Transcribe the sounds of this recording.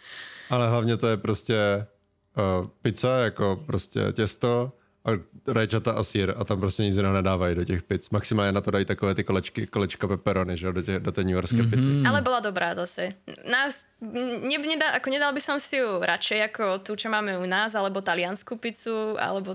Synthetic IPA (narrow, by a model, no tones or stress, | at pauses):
ʔalɛɦlavɲɛt̪ojɛpɾoscɛ | pɪt͡sajakopɾoscɛ̰cɛst̪o | ʔaɾajt͡ʃat̪aʔasiːɾat̪ampɾoscɛɲid͡zɪnaɦnɛdaːvajidocɛxpɪt͡smaksɪmaːlɲɛnat̪odajiːt̪akɔvɛːt̪ɪkolɛt͡ʃkɪkolɛt͡ʃkapɛpɛɾonɪʒɛodotɛdot̪ɛːɲuɛɾskɛːpɪt͡sɪʔalɛbɔlad̪ɔbɾaːzasɛnaːs | ɲɛɲɛd̪aʔakɔɲɛd̪albisɔmsijuɾʔat͡ʃɛjakɔt̪ut͡ʃɔmaːmɛunaːzalɛbɔt̪alɪanskupit͡sua̰lɛbɔ